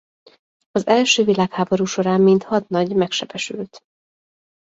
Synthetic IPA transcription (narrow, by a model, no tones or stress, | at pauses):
ɒzɛlʃøːvilaːkhaːbo̞ɾuːʃo̞ɾaːmːint̪hɒt̪nɒɟmɛkʃɛb̥ɛʃylt̪